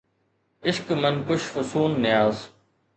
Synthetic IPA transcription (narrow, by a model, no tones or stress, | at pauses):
ɪʃkmɐnkʊʃfʊsuːnːɪjaːz